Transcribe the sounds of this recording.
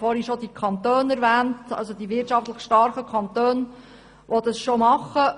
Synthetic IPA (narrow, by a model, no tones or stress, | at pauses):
fɔɾiʃod̪ikʰɑnt̪øːnæɾʋæːntɑ̰lsod̪iʋɪtt͡ʃɑftləχʃtɑɾχəkʰɑnt̪øːn | ʋod̪ɑsʃomɑχːə